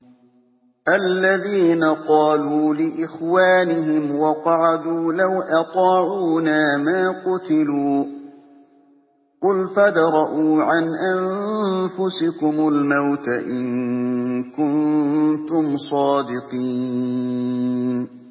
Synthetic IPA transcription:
ʔalːaðiːnaqɑːluːlɪʔɪxwaːnɪɦɪmwɑqɑʕad̪uːlawʔɑt̪ˤɑːʕuːnaːmaːqʊt̪ɪluː | qʊlfad̪ɾˤɑʔuːʕanʔamfʊsɪkʊmʊlmawt̪aʔɪŋ | kʊnt̪ʊmsˤɑːd̪ɪqiː | n

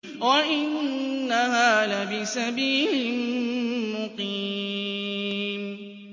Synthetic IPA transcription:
waʔɪnːaɦaːðabɪsabiːlɪmmʊqiː | m

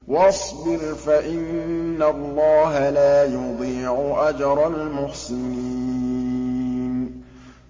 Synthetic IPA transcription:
wɑsˤbɪɾfaʔɪnːalːɑːɦalaːjʊd̪ˤiːʕʊʔad͡ʒɑɾˤɑlmʊħsɪniː | n

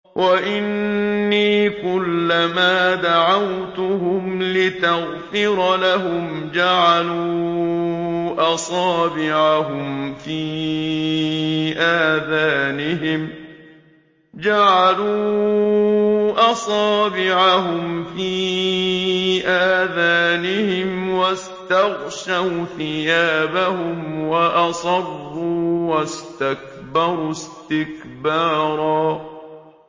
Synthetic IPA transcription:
wʔaʔɪnːiːkʊlːamaːd̪aʕawt̪ʊhʊmlɪt̪aɣ | fɪɾˤlaɦʊm | d͡ʒaʕaluː | ʔɑsˤɑːbɪʕaɦʊmfiː | ʔaːðaːnɪɦɪm | d͡ʒaʕaluː | ʔɑsˤɑːbɪʕaɦʊmfiː | ʔaːðaːnɪhɪmwas | t̪ɑɣʃawθɪjaːbahʊmwaʔɑsˤɑrˤːuːwast̪ak | bɑɾˤust̪ɪkbɑːɾˤɑː

